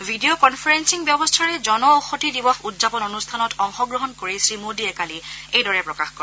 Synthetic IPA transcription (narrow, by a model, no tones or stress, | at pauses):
vʱidiokɔnpʰɔɹensiŋbjɔbɔstʰaɹɛzɔnɔoxotidibɔxudzapɔnonustʰanɔtɔŋxɔɡɹɔɦɔnkoɹisɹimodiɛkaliejdɔɹɛpɹɔkaxkɔɹ